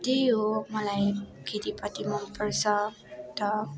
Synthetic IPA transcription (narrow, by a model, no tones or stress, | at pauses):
d̪ejomʌlajkʰet̪ipʌt̪imʌmpərsʌ | t̪ʌ